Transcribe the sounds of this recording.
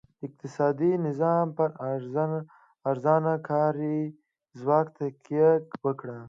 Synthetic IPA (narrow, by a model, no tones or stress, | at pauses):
ɪq̚t̪ɪsɑd̪inɪzɑmpəɾ | ɾzɑnakʰɑɾi | zwɑkt̪akjakwəkɽa